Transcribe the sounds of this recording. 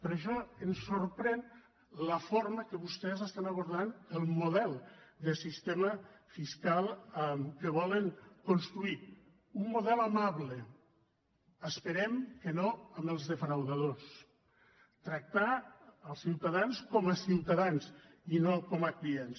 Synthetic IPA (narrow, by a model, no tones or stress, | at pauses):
pəɾəʃɔənsːoɾpɾɛn | ləfoɾməkəβust̪ɛzəst̪anəβ̞uɾðanəlˠmuð̞ɛlˠd̪əsist̪eməfiskalˠmkəβɔləŋkonst̪ɾui | umːoðɛlamaβlə | əspəɾɛmkənoəməlˠzðəfɾawðaðos | t̪ɾək̚t̪aəlˠsiwt̪aðanskɔməsiwt̪aðans | inokɔməkliens